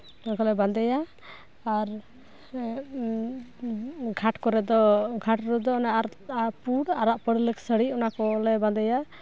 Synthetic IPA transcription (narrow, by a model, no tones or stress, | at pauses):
unakɔlɛband̪ɛjaː | ɾ | ɡʱaʈkɔɾɛd̪ɔɡʱaʈɾud̪ɔnapuɽaɾaʔpəɽləksəɽiunakɔlɛband̪ɛja